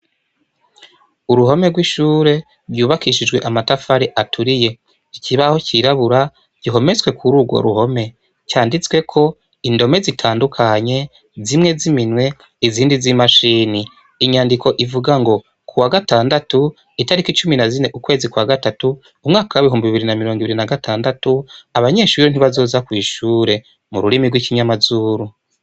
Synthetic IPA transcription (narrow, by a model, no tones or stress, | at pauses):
uɾuɦo̞me̞ɡwiʃuːɾe̞ | ɾɟuːβakiʃid͡ʒɡwe̞ʔamatafaɾiʔatʰuɾije̞ | icʰiβaho̞ciɾaβuɾa | ɟiɦo̞met͡swe̞kʰuɾuːɡwo̞̰ɾṵho̞me̞ | caːndit͡swe̞kʰo̞ | indo̞me̞zitʰaːndukʰaɲe̞ | zimŋe̞ziminwe̞ | iziːndizimaʃiːni | iɲaːndikʰo̞ʔivuɡaŋɡo | kʰuwaɡataːndatu | itaɾikit͡ʃuminazine̞ʔukwe̞ːzikwaːɡatatuː | mŋaːkawaβiɦuːmbiβiβiɾinamiɾo̞ːŋɡiβiɾinaɡatʰaːndatuaβaɲe̞ːʃuɾen̥iβazo̞ːzakwiːʃuːɾe̞ | muɾuɾimiɡwiːciɲamazuːɾu